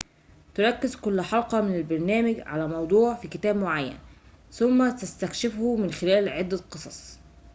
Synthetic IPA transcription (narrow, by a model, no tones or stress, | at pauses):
t̪ʊɾˤɑkːɪzkʊlːħɑlqɑmɪnælbɑɾˤnæːmɪɡʕa̰læmɑwd̪ˤuːʕfiːkɪt̪æːbmoʕajːæ̰n | θʊmːæt̪æst̪ækʃɪfhʊmɪnxɪlæːlʕɪd̪ːæqɨsˤɑsˤ